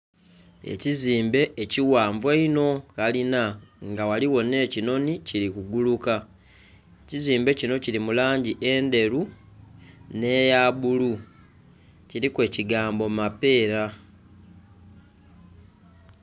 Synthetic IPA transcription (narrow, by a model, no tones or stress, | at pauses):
e̞̰ciziːmbe̞ʔːciwaːɱvweino̞kalinaŋɡawaliwo̞ne̞ːcino̞niciɾikuɡuluka | eciziːmbe̞cino̞ciɾimulaːɲɟiʔe̞ːnde̞ɾu | ne̞ːjaβulu | ciɾikwe̞ːciɡaːmbo̞mape̞ːɾa